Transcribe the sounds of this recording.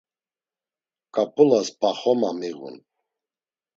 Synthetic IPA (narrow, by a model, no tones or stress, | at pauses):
kʼapʼulaspʰaχɔmamiɣṵn